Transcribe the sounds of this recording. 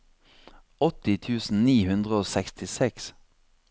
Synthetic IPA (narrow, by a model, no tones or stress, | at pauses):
ɔt̪ɪt̪ʰʉːsn̩niːhʉnd̪ʁəoːsɛkst̪ʰɪsɛks